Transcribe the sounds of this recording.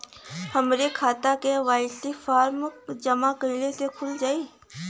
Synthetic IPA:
həmɾekʰaːt̪akeʋaːɪsifaːɾmkd͡ʒəmakəlesekʰʊld͡ʒaːiː

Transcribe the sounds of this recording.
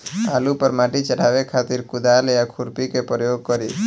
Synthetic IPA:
alupəɾmaʈit͡ʃəɽaʋekʰat̪iɾkʊd̪alejakʰuɾpikepɾəjoɡ̚kəɾi

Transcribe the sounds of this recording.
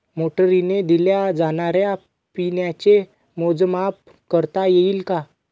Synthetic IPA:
moʈəɾined̪iljad͡zaɽ̃aɾja | pinjat͡ɕe | mod͡zmap̚ | kəɾt̪ajeiːlka

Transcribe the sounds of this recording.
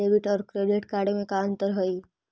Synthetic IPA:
eːbɪʈɔːɾkɾeːɖɪʈkaːɾɖemẽkaə̃nt̪əɾɦoi

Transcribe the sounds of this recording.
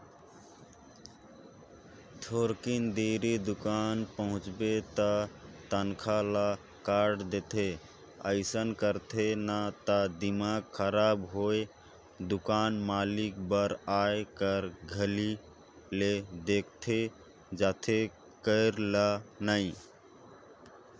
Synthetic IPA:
t̪ʰoɾkind̪eɾid̪ukanpəɦʊ̃t͡ʃbet̪ət̪ənkʰala | kaɖd̪et̪ʰe | əɪsənkəɾt̪ʰenat̪əd̪imaɡkʰəɾabɦoe | d̪ukanmalikbəɾaejkəɾɡʱəli | led̪ek̚ʰt̪ʰe | d͡ʒat̪ʰe | kəɾlanəɪ

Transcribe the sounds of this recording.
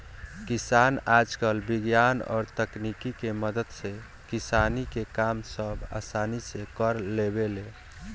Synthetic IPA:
kisanad͡ʒkəlbiɡjanɔ̰ːɾt̪əknikikeməd̪əd̪se | kisanikekamsəbʱa̰sanisekəɾlebele

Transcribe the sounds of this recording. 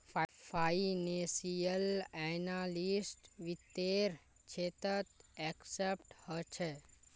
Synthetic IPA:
ffainesijəlɛnalisʈʋit̪ːeɾ | t͡ʃʰet̪ət̪ɛksepʈhɔt͡ʃʰe

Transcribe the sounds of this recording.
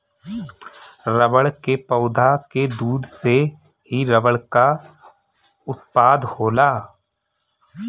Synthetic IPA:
ɾəʋəɭkepəʊd̪ʱaked̪uːd̪se | ɦiɾəʋəɭka | ʊt̪̚paːd̪hoːlaː

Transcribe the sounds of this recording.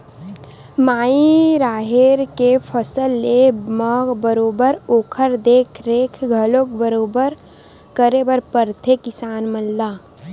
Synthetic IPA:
maːiɾaːɦeɾkepʰəsəlːeməbəɾoːbəɾoːkʰəɾd̪eːkʰɾeːkʰɡʱəloːk̚bəɾoːbəɾ | kəɾebəɾpəɾt̪ʰekɪsaːnmənlaː

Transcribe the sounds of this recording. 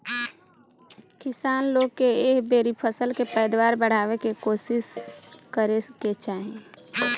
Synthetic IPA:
kɪsaːnloːɡkeeːkbeːɾipʰəsəlkepəːd̪waːɾbəɽ̤aːwekekoːsɪskəɾeket͡ʃaːɦie

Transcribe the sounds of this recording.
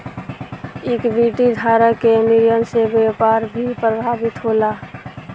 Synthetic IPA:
ɪkbiʈid̪ʱaɾəkemiɾijənsebepaːɾbʱipɾəbʱabit̪ɦoːla

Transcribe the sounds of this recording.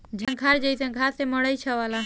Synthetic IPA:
d͡ʒʱəŋkʰaɾd͡ʒəjsə̃ŋkʰaseməɽəit͡ʃʰəʋala

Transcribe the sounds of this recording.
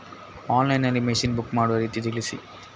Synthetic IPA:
aːnlɐjnɐlːimeʂinbukːmaːɽuʋɐɾiːt̪it̪ilisi

